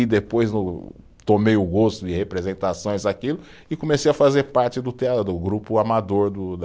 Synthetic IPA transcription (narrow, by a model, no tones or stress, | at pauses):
ɪd̪epojznʊ | t̪omejʊɡost̪ʊɪhepɾezẽnt̪asõj̃zakilʊ | ɪkõmesejɐfazeɾpaɾt͡ʃɪd̪ʊt̪ead̪ʊɡɾupʊamad̪oɾd̪ʊ